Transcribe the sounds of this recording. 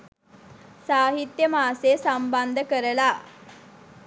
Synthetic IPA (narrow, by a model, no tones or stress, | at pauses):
saːɦit̪jəmaːseːsamband̪əkəɾəla